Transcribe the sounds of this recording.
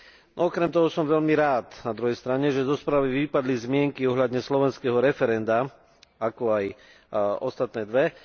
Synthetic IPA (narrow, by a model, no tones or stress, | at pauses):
ɔkɾɛmt̪ɔɦɔsɔmʋɛʎmiɾaːt̪nad̪ɾuɦɛjst̪ɾaɲɛʒɛzɔspɾaːʋiʋipad̪lizmɪɛŋkiɔɦlad̪ɲɛslɔʋɛnskɛɦɔɾɛfɛɾɛnd̪a | akɔaj | ɔst̪at̪nɛːd̪ʋɛ